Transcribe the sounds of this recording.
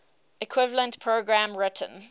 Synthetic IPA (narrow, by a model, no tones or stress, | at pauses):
ɪkʰw̥ɪvələ̃ntpʰɹoɡɹãmɹɪtʰə̃n